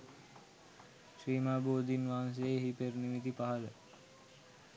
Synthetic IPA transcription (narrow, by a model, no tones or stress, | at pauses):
ʃɾiːmaːboːd̪ʱinʋaːŋs̬eeɦipernimit̪ipaɦalə